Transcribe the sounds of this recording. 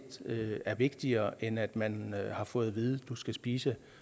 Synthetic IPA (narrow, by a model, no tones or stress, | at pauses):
d̥øæɐʋe̝ɡ̥d̥iɐːʔenæd̥mænhɑ̈fɔ̽ːð̞̩ˠʋiðˠd̥usɡ̥æsb̥iːsə